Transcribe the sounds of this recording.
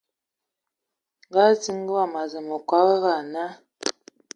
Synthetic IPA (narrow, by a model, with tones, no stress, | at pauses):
ɡa˦t͡si˦ŋ˦ɡə˦wa˦˨ma˨zə˨mo˨kwa˦ɣə˦ɣa˨na˦